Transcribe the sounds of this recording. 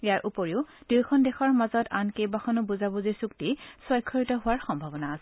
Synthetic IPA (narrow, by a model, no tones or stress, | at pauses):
ejaɹʔupoɹiʊd̥ujkʰɔndexɔɹmazɔtankejbaxʰɔnʊbuzabuzisuktiswɔjkʰːɔɹitɔɦʊaɹxɔmbʱabɔnaːsɛ